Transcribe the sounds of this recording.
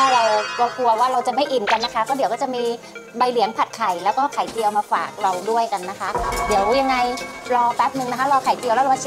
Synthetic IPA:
t̪ʰaː˥˩ɾa˧wɾa˧wkʰu˧ɐwaː˥˩ɾa˧wt͡ɕa˨˩ma˥˩jʔi˨˩nka˧nːa˦˥kʰa˦˥kɔː˥˩di˨˩˦wkɔː˥˩t͡ɕa˨˩ʔmiː˧ba˧jli˩˦əŋpʰa˨˩t̪̚kʰa˨˩jlɛː˦˥wkɔː˥˩kʰa˨˩˦jt̪i˧əwmaː˧fa̰ː˨˩k̚ɾa˧wdu˥˩əjka˧nːa˦˥kʰa˦˥di˨˩˦əwja˧ŋːa˧jɾɔː˧pɛː˦˥p̚nɯ˧ŋna˦˥kʰa˦˥ɾɔː˧kʰa˨˩˦jt̪i˧lɛː˦˥ɾa˧ma˧˩˦

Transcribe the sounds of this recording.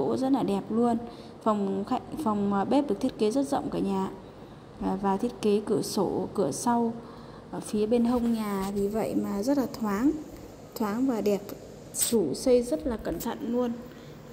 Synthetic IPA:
o̰˧˥zə˦˥t̚laː˨˩ɗɛ˨˩p̚lu˧ən | fa˨˩wŋ͡mxa˧˦kfa˨˩wŋ͡mɓe˦˥p̚ɗɨ˨˩k̚t̪ʰi˦˥ə˥t̚ke˨˦zə˦˥t̚zə̰˧˨wŋ͡mkaː˧˩ɲaː˨˩˨ | vaː˨˩t̪ʰi˦˥ət̚ke˨˦kɨ˧˩əso˧˩kɨ˧˩əsa˧w | ʔːfi˨˦əɓe˧nɦə˧wŋ͡mɲaː˨˩vi˨˩və̰˧˨jmaː˨˩zə˦˥t̚laː˨˩t̪ʰwaː˨˦ŋ | t̪ʰwaː˨˦ŋvaː˨˩ɗɛ˨˩p̚ | su˧˩sə˧jzə˦˥t̚laː˨˩kə˧˩nt̪ʰə̰˧˨nːu˧ən

